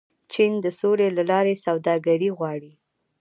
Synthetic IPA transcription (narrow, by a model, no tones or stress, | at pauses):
t͡ʃind̪əsolelalɑɾesawd̪ɑɡaɾiɣwɑɽi